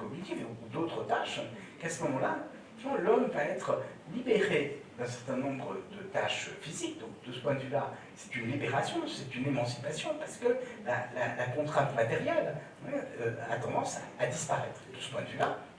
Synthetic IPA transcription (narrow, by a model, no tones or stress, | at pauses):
kɔɡnit̪ivuud̪ot̪χət̪aʃ | kasəmɔmɑ̃la | t̪vãlɔmvaɛt̪χə | libeʁed̪ɛ̃sɛʁt̪ɛ̃nɔ̃bʁəd̪ət̪aʃfizik̚d̪ɔ̃k̚d̪əsə̥pwɛ̃d̪əvyla | sɛ̥t̪ynlibeʁasjɔ̃sɛt̪ynemɑ̃si̥pasjɔ̃paʁsə̥kəlalalakɔ̃t̪χɛ̃t̪mat̪eʁjɛl | ɛøa̰t̪ɑ̃d̪ɑ̃sa̰ad̪ispaʁɛt̪χed̪̥əsə̥pwɛ̃d̪vyla